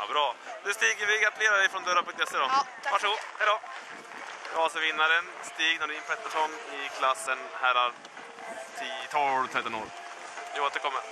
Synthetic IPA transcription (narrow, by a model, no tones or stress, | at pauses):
a̰bɾɑːd̪ʉst̪iːɡəɾvɪɡat̪leːɾad̪ɛjfɾɔnd̪œɾapʰɵŋkt̪ɛsːeːd̪ɔ | vaʂɡuːhɛɪd̪ɔː | ɔːsəɾvɪnːaɾənst̪iːɡnoɖ̪ɪnːpʰɔɛt̪ːəʂɔnːɪkʰlasːənhæɾa | t̪ʰiːt̪ʰɑlt̪ʰɾɛt̪ːɔno̰ːɾ | oːt̪əɾkʰɔmːəɾ